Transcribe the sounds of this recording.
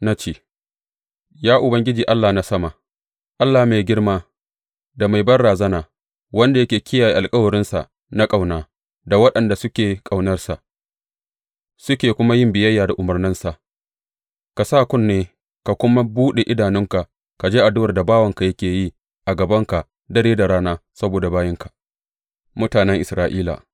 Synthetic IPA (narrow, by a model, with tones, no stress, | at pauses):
na˦t͡ʃeː˦˨ | jaː˦ʔʊ˨bɐ˦ŋɡʲɪ˦d͡ʒiː˨ʔa˦lːaː˨na˦sɐ˦ma˨ | ʔa˦lːaː˨meː˨ɡʲɪ˦rmaː˦ | da˨ma˨jbɐ˦rɽaː˨zɐ˦naː˨ | wɐ˦nda˨jɐ˦kʲeː˨kʲɪ˦jaː˨jiː˦˨ʔa˨lkʼɐ˦wɐ˨ɾɪ˦nsa̰˨ | na˦kʼa˨wnaː˨ | da˨wɐ˦ɗɐ˨nda˨sʊ˦kʲeː˨kʼa˨wnɐ˦rsa˨ʔ | sʊ˦kʲeː˨kʷʊ˦ma˦jɪ˦mbɪ˨jɐ˦jːaː˨da˨ʔʊ˨mɐ˨rnɪ˦nsa˨ʔ | ka˨saː˦kʷʊ˦nːeː˦ | ka˨kʷʊ˦ma˦buː˦ɗe˨ʔɪ˦daː˨nɪ˦ŋka˨ʔ | ka˨d͡ʒeː˦ʔa˨dʊ˦wɐ˨rda˨baː˦wɐ˦ŋka˨jɐ˦kʲeː˨ji˦ | ʔa˨ɡɐ˨bɐ˦ŋka˨ʔ | dɐ˦ɽeː˦da˨ɽaː˦naː˦sɐ˦boː˨da˨baː˦jɪ˦ŋka˨ʔ | mʊ˦taː˨nɛ˦ŋʔɪ˨sɾaː˦ʔiː˦la̰˨